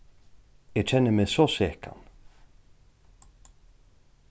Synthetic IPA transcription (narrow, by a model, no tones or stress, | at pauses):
ɛt͡ɕʰɛnːəmɛsɔsɛːka̰n